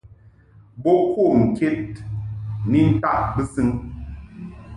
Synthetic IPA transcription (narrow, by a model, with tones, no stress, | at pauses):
bo˦kʰo˦˨ŋ̩˨ke˦t̚ | ni˦n̩˦ta˦ʔbɨ˦sɨ˦ŋ